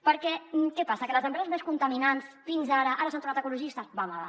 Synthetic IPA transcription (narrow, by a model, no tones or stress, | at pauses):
pəɾkɛmkɛpasəkələzəmpɾɛzəzmeskunt̪əminansfinzaɾəʔaɾəsant̪uɾnat̪əkuluʒist̪əzβamaða̰